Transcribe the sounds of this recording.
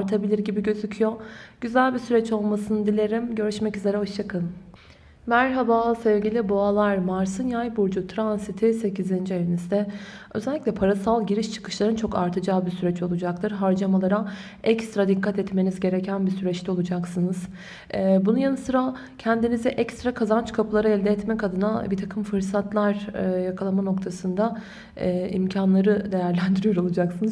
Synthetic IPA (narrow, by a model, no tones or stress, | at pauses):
aɾt̪ʰabilʲiɾɟibiɟø̞zycʰyjo̞ɟ̥yzælʲbisyɾɛt͡ʃo̞lˠmasɯnɯd̪ilʲe̞ɾimɟø̞ɾyʃmɛcyze̞ɾɛɦo̞ʃt͡ʃʰakʰalˠɯm | mæɾɦabaːsɛvɟilʲiboalˠaɾmaɾsɯnjajbuɾd͡ʒut̪ʰɾansit̪ʰise̞cʰizind͡ʒieɾinizd̪ɛø̞̰zɛlʲːiclʲɛpʰaɾasalˠɟiɾiʃt͡ʃʰɯ̥kʰɯ̥ʃlˠaɾɯnt͡ʃʰo̞kaɾt̪ʰad͡ʒaːbisyɾɛt͡ʃo̞lˠud͡ʒak̚t̪ʰɯɾɦaɾd͡ʒamalˠaɾa | ɛkst̪ɾad̪ikːat̪ɛt̪me̞nizɟe̞ɾecʰænbisyɾɛt͡ʃlʲio̞lˠud͡ʒaksɯnɯz̥ | bununjanɯsɯɾa | cʰɛnd̪inizɛʔɛkst̪ɾakʰazant͡ʃkʰapʰɯlˠaɾaɛlʲd̪ɛɛt̪mɛkʰad̪ɯnabit̪ʰakʰɯmfɯɾsat̪lˠaɾjakʰalˠamano̞kt̪ʰasɯnd̪a | ḭmcʰanlˠaɾɯd̪e̞jæɾlʲænd̪iɾijo̞ɾo̞lˠud͡ʒaksɯnɯz